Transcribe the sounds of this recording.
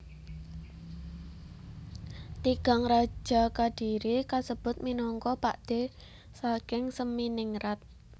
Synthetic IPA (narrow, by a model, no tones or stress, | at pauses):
t̪iɡ̥a̤ŋrḁd͡ʒ̥a̤kaɖ̥iɾikasəb̥ʊ̤t̪̚minɔŋkɔpaʔd̪̥e̤ | sakɪŋsəminɪŋɾat̪̚